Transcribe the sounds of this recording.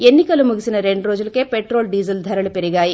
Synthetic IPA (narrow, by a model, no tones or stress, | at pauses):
e̞nːikɐlumuɡisinɐɾe̞ɳɖuɾoːd͡ʒulɐke̞ːpeʈɾo̞ːlɖiːd͡ʒɐld̪ʱɐɾɐlupeɾiɡaːji